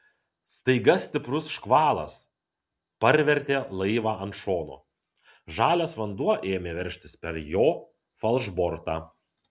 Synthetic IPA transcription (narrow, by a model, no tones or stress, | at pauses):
st̪ɐɪɡɐsʲt̪ʲɪpɾʊsʃkʋɑːlˠɐ̰s | pɐɾʲʋʲɛɾʲt̪ʲeːlˠɐɪʋɑːɐnt̪ʃoːno̰ː | ʒɑːlʲoːsʋɐnd̪uɔʔeːmʲeːʋʲɛɾʲʃʲt̪ʲɪspʲɛɾjoː | fɐlˠʒbɔɾt̪ɑː